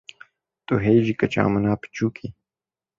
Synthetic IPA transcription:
t̪oɦejd͡ʑikɐt͡ɕa̰ːmɐnaːpi̥t͡ɕuːkʰi

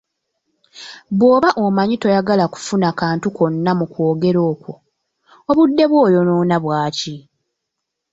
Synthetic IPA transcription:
βwo̞ːβaʔomaɲitojaɡalaku̥funakaːntuko̞nːamukwo̞ːɡe̞ɾo̞ːkwo̞ | oβudːe̞βwo̞ːjo̞noːnaβwaːci

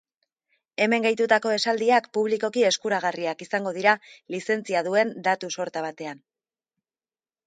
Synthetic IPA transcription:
e̞me̞ŋɡajt̪ut̪ako̞e̞sald̪iakpuβliko̞kie̞skuɾaɣ̞ariakisaŋɡo̞ðiɾalise̞nt͡siaðue̞nd̪at̪uso̞ɾt̪aβ̞at̪e̞an

